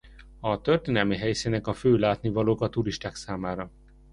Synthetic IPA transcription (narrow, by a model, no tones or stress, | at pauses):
ɒt̪ørt̪eːnɛlmiɦɛjsinɛkɒføːlaːt̪nivɒloːkɒt̪uɾiʃt̪aːksaːmaːɾɒ